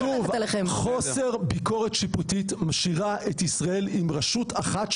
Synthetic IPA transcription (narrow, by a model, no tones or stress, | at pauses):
uvleemχo̞se̞ʁbiko̞ʁetʃiputitmaʃiʁaʔetisʁae̞limʁaʃutaχat̪